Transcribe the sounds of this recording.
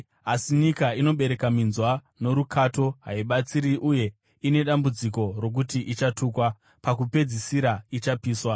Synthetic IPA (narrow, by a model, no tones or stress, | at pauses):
asiɲikaino̞ɓe̞ɾe̞kaminzwa | no̞ɾukʰato̞ɦa̰iɓat͡siɾiʔuje̞ | ine̞ɗambud͡ziko̞rok̬utiʔit͡ʃatuːkwa | pakupe̞d͡zisiɾait͡ʃapiːswa